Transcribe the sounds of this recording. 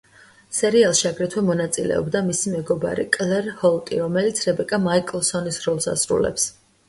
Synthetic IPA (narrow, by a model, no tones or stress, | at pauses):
sɛɾialˠʃiaɡɾɛt̪ʰwɛmɔnat̪sʼilɛ̰ɔ̰bd̪amisimɛɡɔba̰ɾḭkʼlɛɾhɔlˠt̪ʼḭɾɔmɛlit̪sʰɾɛbɛkʼamaikʼlˠsɔnisɾɔlˠsa̰sɾṵlɛ̰ps